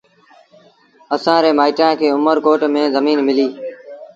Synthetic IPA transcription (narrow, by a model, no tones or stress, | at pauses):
əsãːɾeːmaːɪʈɾãːkʰeːʊməɾkoːʈmẽːzəmiːnmɪliː